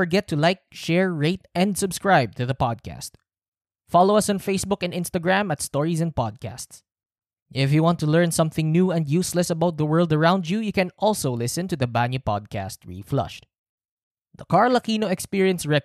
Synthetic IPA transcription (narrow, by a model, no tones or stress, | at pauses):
əɹɡɛt̪ʰːulaɪk̚ʃɛɹɹeɪt̪ɛ̃nd̪sɨbskɹaɪb̚t̪ʰɨðəpɑd̪̚kʰæ̰st̪̚ | fɑloʊɐsɔ̃nfeɪsbʊkɛ̃ndɪ̃nst̪əɡɹæ̃mɐt̪st̪ɔɹizɛ̃nd̚pɑd̪̚kʰæ̰sts | ʔɪfjuwɑ̃nt̪ulɛ˞nsʌ̃mθɪ̃ŋnjuːɛ̃nd̪juslɛsɐbaʊt̪̚ðəwɜ˞lˠd̪əɹãʊ̃nd͡ʒujukɛ̃nʔɔlˠsoʊlɪsɨ̃nt̪uðɐbænjupɑ̰d̪̚kʰæ̰st̪̚ɹḭflʌ̰ʃt | d̪əkaɹlɐkinoɛkspiɹiɨ̃nsɹɛ